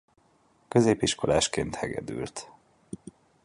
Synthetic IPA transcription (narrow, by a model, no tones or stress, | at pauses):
kø̞zeːpiʃko̞laːʃkeːnt̪hɛɡɛ̰d̪y̰ːlt̪